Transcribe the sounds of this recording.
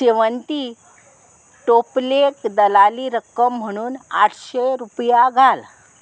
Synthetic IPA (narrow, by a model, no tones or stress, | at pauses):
ɕeʋənt̪i | ʈoplekd̪əlaliːɾəkəm̤ːəɽ̃uːna̰ʈʰɕeɾupjaɡʱal